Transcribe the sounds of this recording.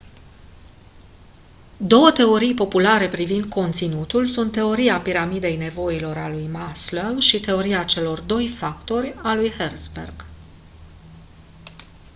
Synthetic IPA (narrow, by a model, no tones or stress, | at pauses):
d̪o̞wət̪e̞o̞ɾijpo̞pulaɾe̞pɾivind̪̚kʰo̞nt̪sinut̪ulsunt̪ːe̞o̞ɾiapiɾamid̪e̞jne̞vo̞ilo̞ɾalujmasləwʃit̪e̞o̞ɾiat͡ʃe̞lo̞rd̪o̞jfakt̪o̞rʲalujhert̪sbḛrɡ̥